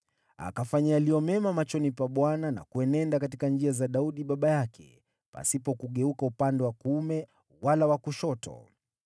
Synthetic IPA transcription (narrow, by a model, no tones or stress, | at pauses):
a̰kafaɲajalijɔmɛmamat͡ʃɔnipaɓwanana̰kuɛnɛndakatikand͡ʒiazaɗauɗiɓaɓajakʰɛ̰ | pa̰sipɔkuɠɛukaupandɛwakumɛ | walawakuʃɔtʰɔ̰